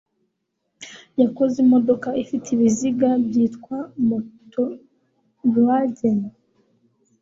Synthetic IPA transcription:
jakozemo̞do̞kaifitʰiβiziɡabjiːtkwamuto | ɾwaɟena

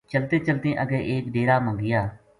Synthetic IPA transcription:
t͡ʃəlt̪ẽːt͡ʃəlt̪ẽːʔəɡeːʔeːkɖeːɾaːmə̃ŋɡɪjaː

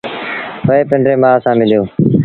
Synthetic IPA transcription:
pəeːpɪ̃ɳɖɾeːmãːəsãːmɪlijoː

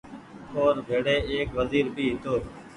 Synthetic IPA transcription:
kʰoːnbʱeːɽeːeːkʋəziːɾbʱiːɦɪt̪oː

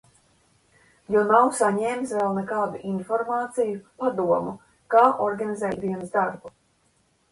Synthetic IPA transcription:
jawnawsaɲɛːmsvɛlˠnɛkaːd̪uʔinfɔɾmaːt̪sijupad̪uɔmu | kaːʔɔɾɡanizɛːjt̪d̪iɛnzd̪aɾbu

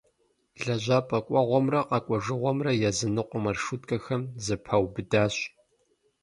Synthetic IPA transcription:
ɮɐʑʷaːpʼɐkʷʼɔʁʷɔmrɐqɐkʷʼɔʒɨʁʷɔmrɐjɛzɨnɨqʷʊmɐrʂutʼkʼɐxɐmzɨpʰɐwbɨdaːɕ

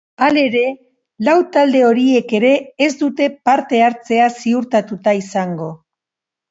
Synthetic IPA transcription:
ale̞ɾe̞ | lawt̪ald̪e̞o̞ɾie̞ke̞ɾe̞ːzd̪ut̪e̞paɾt̪e̞aɾt͡se̞asiuɾt̪at̪ut̪aisaŋɡo̞

